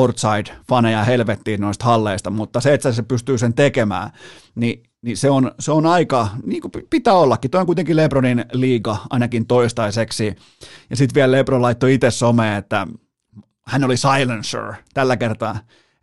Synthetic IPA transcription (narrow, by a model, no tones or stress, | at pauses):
ort̪sɑid̥fɑnejɑhelʋet̪ːiːnnoist̪hɑlːeist̪ɑmut̪ːɑseet̪sæsepyst̪yːsent̪ekemæ̰ː | ni | niseonseonɑikɑniːŋkuppit̪æːolːɑkːit̪oijoŋkuit̪eŋkileproninliːɡɑʔɑ̰inɑkint̪oist̪ɑiseksi | jɑsit̪ʋiællebrolɑit̪ːoit̪essomeːet̪ːæ | hænolisɑilensø̰ɹt̪ælːækert̪ɑ